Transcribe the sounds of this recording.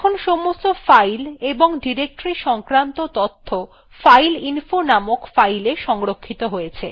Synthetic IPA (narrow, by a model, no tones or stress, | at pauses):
kʰonʃɔmost̪ofajleboŋɖiɾek̚ʈɾiʃɔŋkɾant̪ot̪ɔt̪ʰːo | fajlinfonamokfajleʃɔŋɾokʰːit̪oɦojet͡ɕʰḛ